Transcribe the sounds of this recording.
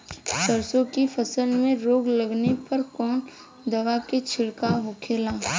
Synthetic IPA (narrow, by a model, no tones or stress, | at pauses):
səɾsõkifʰəsəlmẽɾoːɡləɡnepɐɾkɔːn | d̪ɐʋaket͡ʃʰɪlkaɦʊkʰeːlaː